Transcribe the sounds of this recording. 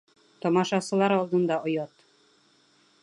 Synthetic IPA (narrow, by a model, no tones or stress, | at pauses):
t̪ɒmɑʃɑsɤ̆lˠɑɾɒlˠd̪ɤ̆nd̪ɑʔŏjɑt̪